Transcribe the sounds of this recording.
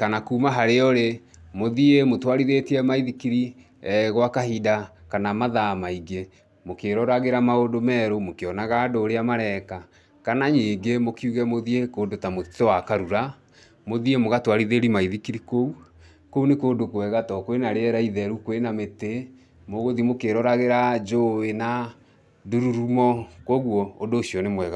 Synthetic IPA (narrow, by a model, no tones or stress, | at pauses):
kanakuːmaɦaɾeɔɾe | moðiemotwaɾiðetiɛmaiðikiɾi | ɣwakahidakanamaðamaiɣe | mokeɾɔɾaɣeɾamaodomɛːɾomokeɔnaɣadoɾeamaɾɛka | kanaɲeŋɡemokiuɣɛmoðiekoːndotamotɔwakaɾuɾa | moðiemoɣatwaɾiðeɾimaiðikiɾikou | kounekoːndokwɛɣatɔkwenaɾeɛɾaiðɛɾukwenamete | moɣoðimokeɾɔɾaɣeɾad͡ʒoena | duɾuɾumɔkoɣwɔodoːʃiɔnemwɛɣa